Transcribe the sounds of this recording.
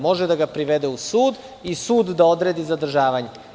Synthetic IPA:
mo̞ʒed̪aɡapɾiʋed̪eusuːd̪ | isuːd̪ːao̞d̪ɾed̪izad̪r̩ʒaːʋaɲe

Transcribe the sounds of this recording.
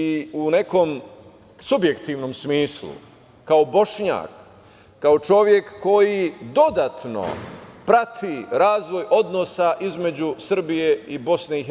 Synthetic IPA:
iune̞ko̞m | subje̞kt̪iːʋno̞msmiːslṵ | kaobo̞ʃɲa̰ːkː | ao̞t͡ʃo̞ʋje̞kːo̞jid̪o̞d̪at̪no̞̰pɾat̪ʰiɾaːzʋo̞jo̞d̪no̞saʔizme̞d͡ʑusr̩bije̞ibo̞sneiɦ

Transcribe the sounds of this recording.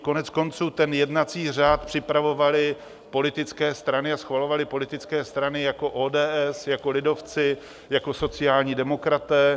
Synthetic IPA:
ko̞nɛt͡sko̞nt͡suːt̪ɛnjɛdnat͡siːr̝aːt̪pr̝̥ɪpɾavo̞valɪ | po̞lɪt̪ɪt͡skɛːst̪ɾanɪasxvalo̞valɪpo̞lɪt̪ɪt͡skɛːst̪ɾanɪjako̞ʔoːdɛːʔɛsjako̞lɪdo̞ft͡sɪ | jako̞so̞t͡sɪjaːlɲiːdɛmo̞kɾat̪ɛː

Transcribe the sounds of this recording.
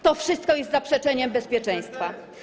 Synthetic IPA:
t̪ɔfʂɘst̪̚kɔjɛst̪zapʂɛt͡ʂɛɲɛmbɛspʲjɛt͡ʂɛ̃j̃st̪fa

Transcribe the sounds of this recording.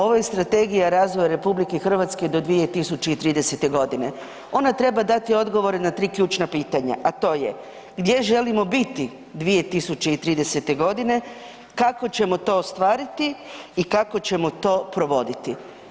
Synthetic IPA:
o̞ʋoje̞st̪ɾat̪e̞ɡijaɾaːzʋojaɾe̞publikexr̩ʋat̪ske̞d̪o̞d̪ʋije̞t̪isut͡ɕe̞it̪ɾiːd̪ese̞t̪e̞ɡo̞d̪ine̞ | o̞nat̪ɾe̞bad̪at̪io̞d̪ɡo̞ʋo̞ɾenat̪ɾiːkʎʲuːt͡ʃnapiːt̪aɲa̰ʔat̪o̞ːje | ɡd̪je̞ʒe̞limo̞bit̪i | d̪ʋije̞t̪isut͡ɕe̞it̪ɾiːd̪ese̞t̪e̞ɡo̞d̪ine̞ | kako̞t͡ɕe̞mo̞t̪o̞ːst̪ʋaːɾit̪iikako̞t͡ɕe̞mot̪o̞ːpɾo̞ʋo̞d̪it̪i

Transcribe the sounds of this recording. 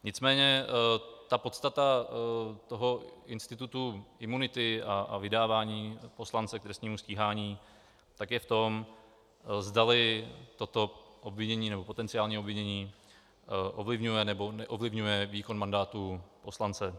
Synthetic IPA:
ɲɪt͡smɛːɲɛ | t̪apo̞t̪st̪at̪a | t̪o̞ɦo̞ɪnst̪ɪt̪ut̪uʔɪmunɪt̪ɪaa̰vɪdaːvaːɲiːpo̞slant͡sɛkt̪ɾɛst̪ɲiːmusciːɦaːɲiː | t̪akjɛft̪o̞m | zdalɪt̪o̞t̪o̞ʔobvɪɲɛɲiːnɛbo̞po̞t̪ɛnt͡sɪaːlɲiːobvɪɲɛɲiː | ʔovlɪvɲujɛnɛbo̞nɛʔovlɪvɲujɛviːko̞nmandaːt̪upo̞slant͡sɛ

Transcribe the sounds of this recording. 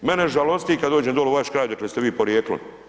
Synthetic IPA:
meneʒalost̪ikad̪d̪oːd͡ʒemd̪olˠuʋaʃkɾaːjd̪aklest̪eʋiːpoɾjeklḭ

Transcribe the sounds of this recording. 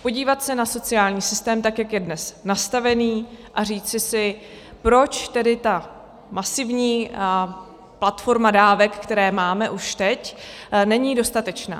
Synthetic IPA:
po̞ɟiːvat̪sɛnaso̞t͡sɪjaːlɲiːsɪst̪ɛːmt̪akjakjɛdnɛsnast̪avɛniːʔariːt͡sɪsɪ | pɾo̞t͡ʃt̪ɛdɪt̪a | masɪvɲiː | plat̪fo̞ɾmadaːvɛkkt̪ɛɾɛːmaːmɛʔuʃt̪ɛcnɛɲiːdo̞st̪at̪ɛt͡ʃna̰ː

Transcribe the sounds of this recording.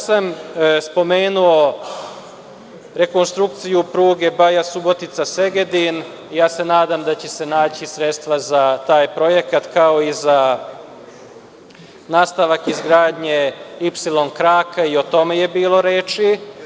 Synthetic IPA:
samspo̞meːnuo̞ | ɾe̞ko̞nst̪ɾukt̪sijupɾuːɡe̞bajasubo̞t̪it̪sase̞ɡed̪in | ijaːse̞naːd̪amd̪at͡ɕe̞se̞naːt͡ɕisɾet̪st̪ʋazat̪aːjpɾo̞je̞kat̪kao̞iza | naːst̪aʋakizɡɾaːd̪ɲeipsilo̞nkɾaːkaio̞t̪o̞me̞je̞biːlˠo̞ɾeːt͡ʃi

